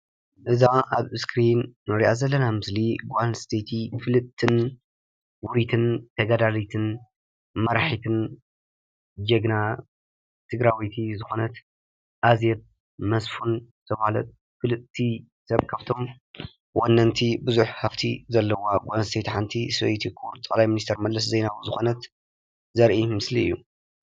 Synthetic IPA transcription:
ʔɨzaʔaβɨskʰɾinːoɾiʔazɐlːɐnamɨsliɡʷanst̪ʰet̪ʰifɨlɨʔt̪ʰɨn | wʊɾit̪ʰɨnt̪ʰɐɡad̪alit̪ʰɨn | mɐɾaħit̪ʰɨn | d͡ʒɐɡna | t̪ʰɨɡɾawit̪ʰizɨxo̞nɐt̪ | ʔazjɛt̪̚ | mɐsfunt̪ʰɐmhalɐ̰t̪̚ | kɨlɨt̪ʰːi | sɐβkʰaβt̪ʰo̞m | wonːɐnt̪ʰibɨzuħhɐft̪ʰizɐlːɐwaɡʷanst̪ʰejt̪ʰħant̪ʰisɐ̰jt̪ʰikʰuɾt̪ʼɨklajminist̪ʰɛɾmɐd̪lɐs̬zejnawuzɨxo̞nɐt̪ | zɐɾʔimɨsliɨ̰jːu

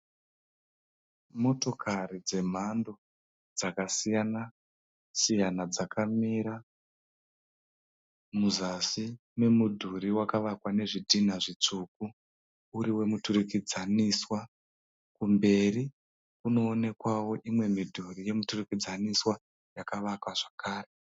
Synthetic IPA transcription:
mo̞to̞kʰaɾid͡ze̞m̤ando̞ | d͡zakasijana | sijanad͡zakamiɾa | muzasi | me̞mudʱuɾiwakaʋakwane̞ʐidʱinaʐit͡ʂuk̚u | uɾiwe̞muturikid͡zaniswa | kumbe̞ri | kuno̞ːne̞kwawo̞ʔimwe̞midʱurije̞muturikid͡zaniswa | jakaʋakwaʐakʰaːre

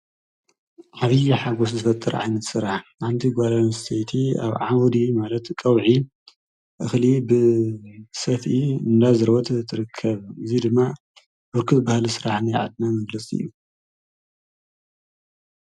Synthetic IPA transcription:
ʔaβɨjiħaɡos̬zɨfɐt̪ʼːɨɾʕa̰jnɐt̪sɨɾaħħant̪ʰiɡʷalansʰet̪ʰia̰βʕawd̪imalɐt̪kʼɐwʕi | ʔɨxlibɨ | sɐt̪iɨnd̪azɨɾwɔt̪t̪ʰːɨɾɨkʰːɐβɨzid̪ɨmːa | bɨɾkʰɨt̪ʼbahlisɨɾaħnajʕa̰d̪̚namɐɡlɐt͡sʼiɨ̰jːu

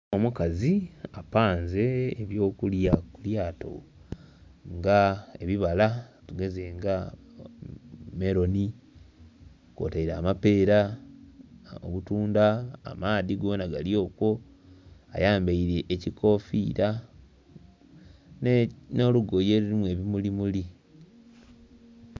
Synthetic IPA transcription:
omukaziapaːnze̞ːβjo̞ːkuljakuljaːto̞̰ | ŋɡae̞̰βiβalatuɡe̞ze̞ːŋɡa | me̞ɾo̞ni | ko̰taiɾaːmape̞ːɾa | o̰βutuːnda̰ːmaːðiɡonaɡaljo̞ːkwo̞ | a̰jaːmbaiɾe̞ʔːcikʰo̞fiɾa | nno̞luɡojeluɾimue̞ːβimulimuli

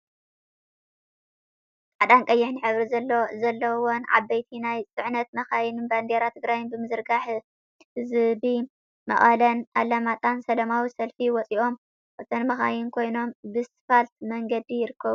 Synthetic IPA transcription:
ʕad̪ankʼɐjːɛħnɨħɨβɾizɐlːozɐlːɐwonʕa̰bːɐjt̪ʰinajt͡sʼɨʕnɐt̪mɐxajɪnɨnband̪eɾat̪ʰɨɡɾajɪnbɨmɨzɨɾɡaħ | hɨzbi | mɐ̰χʼɐlɐnʔa̰lamat̪ʼansɐlɐmawisɐlfiwɔt͡sʼiʔo̞m | ʔɐt̪ʰɐnmɐxa̰jɪnkʰo̞jno̞mbɨsɨ̥falt̪mɐŋɡɐd̪ijɪɾɨkːɐβu

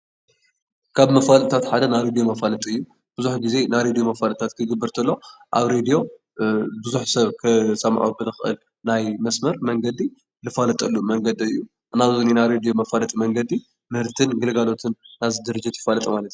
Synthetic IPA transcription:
kʰaβmɐfalʼt̪ʰat̪ħad̪ɐnajɾed̪ijomɐfalɐt̪ʼiɨjːu | b̥ɨzuħɡize̞najɾed̪ijo̞mɐfalt̪ʰat̪kʰɨɡɨbːɨɾt̪ʰɐlːoʔaβɾed̪ijo̞ | bɨzuħsɐβkʰɨsɐmʕobɨlɨxʔɨ̰l | najmɐsmɐɾmɐŋɡɐd̪i | lɨfalɐt̪ʼɐlːumɐŋɡɐd̪iɨjːu | naβzoninajɾed̪ijo̞mɐfalɐt̪ʼimɐŋɡɐd̪i | mɨhɨɾt̪ʰɨnɡɨlɡalo̞t̪ʰɨnːazɨd̪ɨɾɨd͡ʒɪt̪jɪfalɐt̪ʼimalɐt̪u

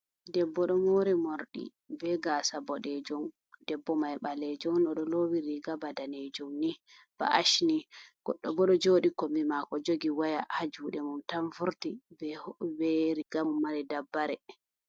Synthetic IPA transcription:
dɛbːɔɗɔmoɾimoɾɗḭ | bɛɡasabɔɗɛd͡ʒum | d̥ɛbːɔmajɓalɛd͡ʒɔmɗɔɗɔlowiɾiɡabadaned͡ʒumni | b̥a̰ʔaʃniɡ̥ɔɗːɔbɔɗɔd͡ʒoːɗikɔmimakɔd͡ʒoɡiwajahad͡ʒuɗɛmuntaɱfuɾtibɛbɛɾiɡamumːaɾɛdabːaɾɛ

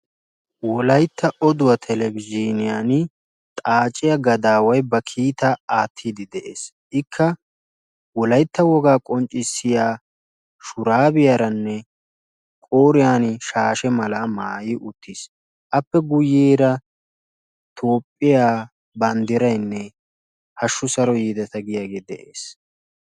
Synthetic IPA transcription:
wɔlɐjt̪ːɐɔd̪ʊwɐt̪ʰɛlɛbɪd͡ʒinɪjan | t̪ʼaːt͡ʃʼɪjɐɡɐd̪aːwɐjbɐkʰiːt̪ɐaːt̪ʰːiːd̪ɪd̪ɛʔḛːs | ʔɪkʰːɐ | wɔlɐjt̪ːɐwɔɡaːkʼɔnt͡ʃʼɪsːɪjaː | ʃʊɾaːbɪjɐɾɐnːɛ | kʼoːɾɪjaːnʃaːʃɛmɐlɐmaːjɪʔʊt̪ːis | ʔɐpːɛɡʊjeːɾɐ | t̪ʰo̞ːpʼːɪjaː | bɐnd̪ɪɾɐjnːɛ | hɐʃːʊsɐɾɔjiːd̪ɐt̪ɐɡɪjaːɡeːd̪ɛʔḛːs

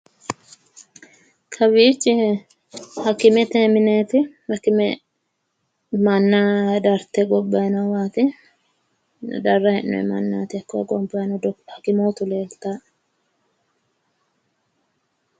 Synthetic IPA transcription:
kʰɐbiːt͡ʃːɪ | hɐkːɪmɛt̪eːmɪneːt̪ɪhɐkːɪmɛ | mɐnːad̪ɐɾt̪ɛɡɔbːɐjnɐwaːt̪ɪ | d̪ɐrːɐhɛnːɔ̰ɛ̰mɐnːa̰ːt̪ɪɐkːoɡɔmbɐnɔd̪hɐkɪmoːt̪ʊleːlt̪a

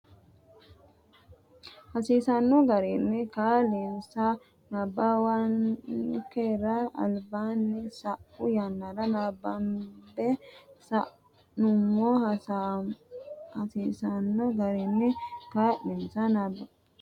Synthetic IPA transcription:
hɐsiːsɐnːɔɡɐɾinːɪkaːlinsa | nɐbːawɐnkeɾaɐ̰lbaːnːɪsɐʔʊjanːɐɾɐnabɐnbɛsaʔ | nʊmːohsa | hɐsiːsɐnːɔɡɐɾinːɪkaːᶑinsanabːɐ

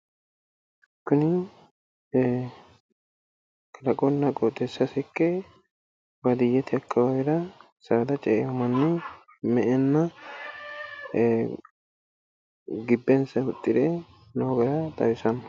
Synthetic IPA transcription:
kːʊnɪ | kɐɾɐkʼɔnːɐkʼot̪ʼːɛsːɐsɛkːɛ | bɐd̪ɪjːɛt̪ɪɐkʰːɐwɐjɪɾɐ | saːd̪ɐt͡ʃʼɛʔɛjɔmɐnːɪ | mɛʔɛnːɐ | ɡɪbːɛnsɐʊt̪ʼːɪd̪ɛ | noːɡɐɾɐt̪ɐjɪsɐnɐ

